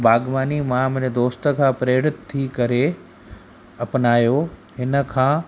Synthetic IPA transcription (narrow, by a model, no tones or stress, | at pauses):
baːɡʋaːnimãmɪ̃nd̪oːst̪ə̆kʰãːpɾeːɽɪt̪t̪ʰːikɐɾe | ɐpnaːjoɦɪnə̆kʰãː